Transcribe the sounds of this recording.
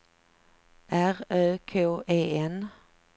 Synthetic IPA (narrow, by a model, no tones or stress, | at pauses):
ʔæʁœːkʰoːʔeːɛn